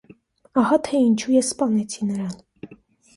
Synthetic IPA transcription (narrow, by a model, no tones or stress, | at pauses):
ɑhɑt̪ʰɛint͡ʃʰujɛsːpɑnɛt͡sʰinəɾɑn